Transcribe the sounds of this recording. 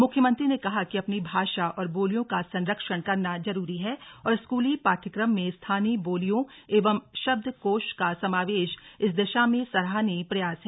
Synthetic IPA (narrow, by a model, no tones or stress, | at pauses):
mʊkʰjəmə̃nt̪ɾinekɐɦakiɐpnibʱaːʃaʔɔːɾboːlijõkasɐ̃nɾəkʃəɽ̃kɐɾnad͡ʒɐɾuːɾiɦɛːɔːɾɪskuːlipaːɾʈ̪ʰəkɾəmːẽst̪ʰaːniboːlijõ | eːʋəmʃɐb̚d̪ʱkoːʃkasɐmaːʋeːʃɪsd̪ɪʃamẽsɐɾɦaːnipɾɐjaːsɦɛː